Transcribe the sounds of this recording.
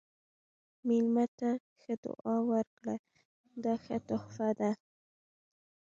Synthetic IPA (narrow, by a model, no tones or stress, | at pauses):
milmat̪a | xad̪ʊ̰ʔɑwaɾkla | d̪ɑxat̪ʊhfad̪a